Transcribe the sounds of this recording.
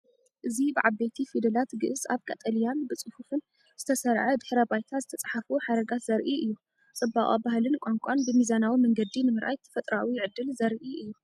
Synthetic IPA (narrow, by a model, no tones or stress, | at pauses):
ʔɨzibɨʕabːet̪ʰifid̪ɐlat̪ɡɨʔɨza̰βkʼɐt̪ʼɐlijanbɨt͡sʼɨhufɨn | z̥ɨt̪ʰɐsɐɾʕɐd̪ɨħɾɐbajt̪ʰazɨt̪ʰɐt͡sʼɐħafuħaɾɐɡat̪z̥ɐɾʔiʔɨjːu | t͡sʼɨbːaχʼabahlɨnkʼaŋkʷʼanbɨmizanawimɐŋɡɐd̪inɨmɨɾʔa̰jt̪ʰːfɐt̪ʼɾawiʕɨd̪ːɨlzɐɾʔiʔɨjːu